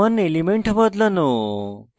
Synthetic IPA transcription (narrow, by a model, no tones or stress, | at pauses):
ənːelimeɳʈbəd̪ləno